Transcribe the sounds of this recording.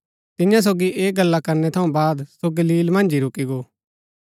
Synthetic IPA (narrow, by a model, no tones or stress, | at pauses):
t̪ɪ̃jãs̬oːɡiʔeːk̚ɡɐlːakɐɾnɛt̪ʰɐũbaːd̪soɡɐliːlmɐ̃nd͡ʒiɾʊkiɡoː